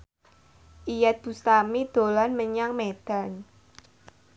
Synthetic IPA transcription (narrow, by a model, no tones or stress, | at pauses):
ʔijɛt̪̚b̥ṳst̪amid̪̥o̤lanməɲaŋmed̪̥a̤n